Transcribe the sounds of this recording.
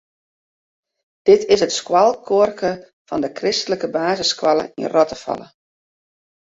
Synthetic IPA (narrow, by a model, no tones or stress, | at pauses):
d̥ɪtʰɪsətskwalˠkʰorkə | fɔ̰ndəkrɪstələkəbaːzəskwalˠə̰ḭnrɔtəfɑ̰lˠə̰